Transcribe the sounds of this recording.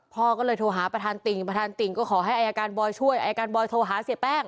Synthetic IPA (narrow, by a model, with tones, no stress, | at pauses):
pʰɔː˥˩kɔː˥˩lɤː˧jt̪ʰoː˧ɦaː˩˦pɾa˧t̪ʰaː˧nt̪i˨˩ŋpɾa˧t̪ʰaː˧nt̪i˨˩ŋkɔː˥˩kʰɔː˩˦ɦa˥˩jʔa˧jaː˧kaː˧nbɔː˧jt͡ɕʰu˥˩əjʔaː˧jaː˧kaː˧nbɔː˧jt̪ʰoː˧ɦaː˨˩˦si˨˩˦p̪ɛː˥˩ŋ